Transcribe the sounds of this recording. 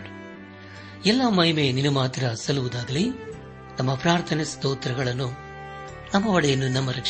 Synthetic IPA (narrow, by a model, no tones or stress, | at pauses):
ɛlːɐmɐjimeːninumaːt̪ɾɐsɐluʋud̪aːɡ̪ɐli | nɐmːɐpɾaːɾt̪ʰɐnest̪oːt̪ɾɐɡɐɭɐnːu | nɐmːɐʋɐɽɛjɐnːunɐmːɐɾɐkt͡ʃ